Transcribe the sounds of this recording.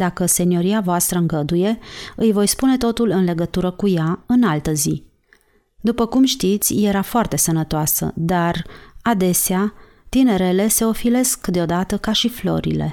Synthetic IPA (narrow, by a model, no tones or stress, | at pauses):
d̪akəse̞nio̞ɾiavoast̪ɾəɨŋɡəd̪uje̞ɨjvo̞jspune̞t̪o̞t̪ulɨnle̞ɡət̪uɾəkujaɨnalt̪əzi | d̪upəkumʃt̪it̪sʲje̞ɾafoart̪e̞sənət̪oasə̰d̪arad̪e̞sea | t̪ine̞ɾe̞le̞se̞o̞file̞skːd̪eo̞d̪at̪əkaʃiflo̞̰ɾḭle̞̰